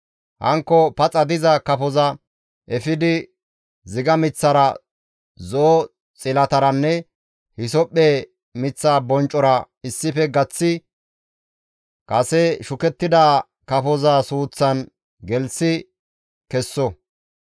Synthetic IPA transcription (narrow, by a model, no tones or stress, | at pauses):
hɐ̰ŋkːɔpɐt͡sʼɐd̪ɪzɐkɐfɔzɐ | ʔɛfɪd̪ɪ | zɪɡɐmɪt͡sːɐɾɐ | zoː | t͡sʼɪlɐt̪ɐɾɐnːɛ | hɪsɔpʼːe | mɪt͡sːaːbɔnt͡ʃʼːɔɾɐ | ɪsːɪfɛɡɐt͡sːɪ | kʼɐsɛʃʊkɛt̪ːɪd̪a | kɐfɔzasuːt͡sːɐn | ɡɛlsɪ | kɛsːɔ